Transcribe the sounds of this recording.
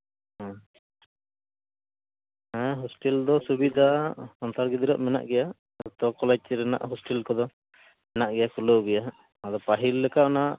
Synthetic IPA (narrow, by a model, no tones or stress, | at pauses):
ɦã | ɛ̃ɦɔsʈɛld̪ɔsubid̪ʱasɔnt̪aɾɡid̪iɾɔ̰ʔmɛna̰ʔɡɛja | t̪ɔkɔlɛd͡ʒ̚t͡ʃɛɾɛna̰ʔɦɔsʈɛlkɔd̪ɔ | mɛnaʔɡɛjakuloɡɛja | ad̪ɔpaɦilːɛkaʔɔnaʔ